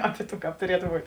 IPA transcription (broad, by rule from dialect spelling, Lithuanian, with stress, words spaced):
ˈɑːpʲɪ ˈtuː ˈkɑːp tʊˈrʲiɛtʊ ˈbuːtʲ